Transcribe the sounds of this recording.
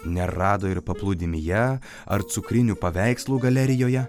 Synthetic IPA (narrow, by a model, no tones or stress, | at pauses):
nʲɛɾɑːd̪oːɪɾpɐplˠʊd̪ʲɪmʲɪjɛ | ɐ̰ɾt̪sʊkɾʲɪnʲuːpɐʋʲɛɪkslˠuːɡɐlʲɛɾʲɪjoːjɛ